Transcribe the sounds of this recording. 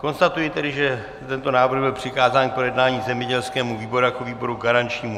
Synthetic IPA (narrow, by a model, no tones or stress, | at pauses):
ko̞nst̪at̪ujɪt̪ɛdɪʒɛ | t̪ɛnt̪o̞naːvr̩ɣbɪlpr̥ɪkaːzaːnkpojɛdnaːɲiːzɛmɲɛɟɛlskɛːmuviːbo̞ɾujakoviːbo̞ɾuɡaɾant͡ʃɲiːmu